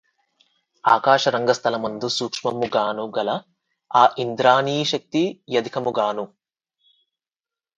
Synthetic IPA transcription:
aːkaːʃɐɾɐŋɡɐst̪ʰɐlɐmɐnd̪usuːkʂmɐmuɡaːnuɡɐlɐ | aːʔind̪ɾaːniːʃɐk̚t̪ijɐd̪ikʰɐmuɡaːnu

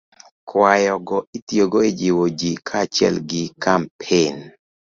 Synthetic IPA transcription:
kwajɔɡɔitioɡɔed͡ʒiwod͡ʒikʰat͡ʃɪɛ̰lɡɪkampʰen

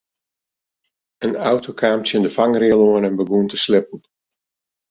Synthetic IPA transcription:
ənawtʰokʰaːmtjəndəfaŋrɪəlˠoənɛnbəɡuəntəslɪpən̩

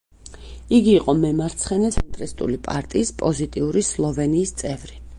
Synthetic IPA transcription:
iɡiːqʼɔmɛmaɾt̪sʰχɛnɛt̪ʰɛnt̪ʼɾist̪ʼṵlipʼa̰ɾt̪ʼiːspʼɔzit̪ʼiuɾislˠɔvɛniːst̪sʼɛvɾi

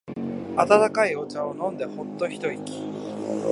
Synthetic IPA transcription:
at̪at̪akaio̞t͡ɕaonõ̞nd̪e̞ho̞t̪ːo̞çi̥t̪o̞ikʲi̥

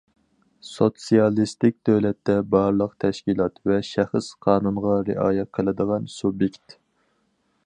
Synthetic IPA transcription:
sot̪sijɑlˠist̪ɪk̚ʲd̪øwlɛt̪ːɛbɑɾlˠəqt̪ʰɛʃkʲilˠɑt̪vɛʃæχəsqʰɑːnunʁɑɾɪʔɑːjɛt̪̚qʰəlˠɨd̪əʁɑnsubjekʲt̪

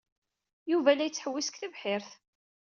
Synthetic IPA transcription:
juvælæjət͡sːħəwːisə̥kθəvħɪɾθ

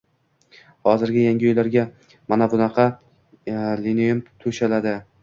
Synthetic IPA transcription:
hɒzɪɾɡʲɪjaŋɡʲɪɒjlaɾɡʲa | manabʊnɑqʰɑ | linemt̪ʰʊʃalad̪ɪ

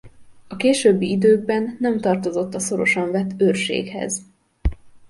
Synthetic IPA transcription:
ɒkeːʃøːbːiid̪øːɡ̚bɛnːɛmt̪ɒrt̪o̞zo̞t̪ːɒso̞ɾo̞ʃɒɱvɛt̪ːøːrʃḛːkhɛ̰z

